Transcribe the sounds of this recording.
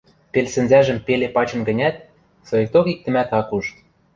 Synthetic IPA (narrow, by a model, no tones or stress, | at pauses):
pelsɘ̆nzæʒə̆mpelepɑt͡ɕɤ̆nɡə̆nʲæt̪̚ | sojĕk̚t̪okik̚t̪ɘ̆mæt̪ɑkuʃt̪